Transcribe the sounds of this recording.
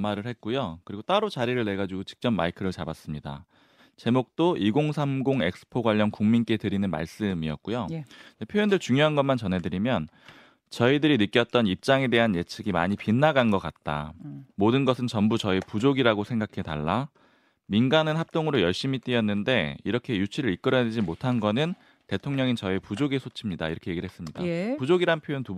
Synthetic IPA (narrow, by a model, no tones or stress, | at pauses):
maɾɯɭhe̞t̚k͈ujokɯɾiɡot͈aɾot͡ɕaɾiɾɯɭne̞ɡad͡ʑuɡot͡ɕi̥k̚t͡ɕ͈ʌmːa̰ikʰɯɾɯɭt͡ɕabas͈ɯmɲida̰ | t͡ɕe̞mok̚t͈oʔiɡoŋsʰamɡoŋe̞k̚sʰɯ̥pʰoɡwaʎːʌnkuŋmink͈e̞tɯɾinɯnma̰ɭs͈ɯmiʌt̚k͈ujoepʰjoendɯɭt͡ɕuŋjoɦanɡʌnmant͡ɕʌnɦe̞dɯɾimjʌn | t͡ɕʌidɯɾinɯk͈jʌt̚t͈ʌnip̚t͡ɕ͈aŋe̞de̞ɦanje̞t͡ɕʰɯɡima̰ɲipinːaɡanɡʌk͈at̚t͈a̰modɯnɡʌsʰɯnt͡ɕʌmbut͡ɕʌipud͡ʑoɡiɾaɡosʰe̞ŋɡakʰe̞ta̰ɭːa | minɡanɯnhap̚t͈oŋɯɾojʌɭɕ͈imit͈iʌnːɯnde̞iɾʌkʰe̞jut͡ɕʰiɾɯɾik͈̚ɯɾʌned͡ʑimotʰanɡʌnɯn | tetʰoŋɲʌŋint͡ɕʌepud͡ʑoɡesʰot͡ɕʰimɲida̰ḭɾʌkʰe̞je̞ɡiɭɦes͈ɯmɲida̰pud͡ʑoɡiɾaɯnpʰjojontu